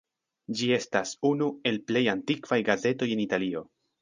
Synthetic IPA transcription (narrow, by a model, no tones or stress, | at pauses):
d͡ʒie̞stasunue̞lple̞jantikv̥ajɡaze̞to̞je̞nitalio̞